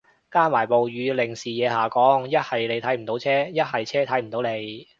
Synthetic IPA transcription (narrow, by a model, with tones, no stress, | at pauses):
kaː˥nmaː˨˩jpo˨wɥyː˨˧lɪ˨˩ŋsiː˨jɛː˨˧ɦaː˨kɔː˨˥ŋjɐ˥t̚hɐ˨jle˨˧jt̪ʰɐ˨˥jm̩˨˩t̪o˨˥wt͡sʰɛː˥jɐ˥t̚hɐ˨jt͡sʰɛː˥t̪ʰɐ˨˥jm̩˨˩t̪o˨˥wle˨˧j